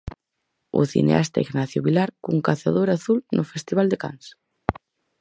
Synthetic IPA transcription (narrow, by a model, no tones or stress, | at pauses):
ṵθḭnḛa̰st̪a̰iɣnaθjuβilaɾkuŋkaθaðoɾaθulnʔofest̪iβ̞ald̪eka̰ns